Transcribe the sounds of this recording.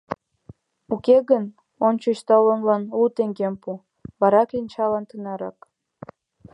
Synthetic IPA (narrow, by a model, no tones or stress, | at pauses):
ukeɣən | onʲt͡ɕət͡ɕt̪ɑlənlɑnut̪eŋɡempu | βɑɾɑkinʲt͡ɕɑlɑnt̪ɨnɑɾɑk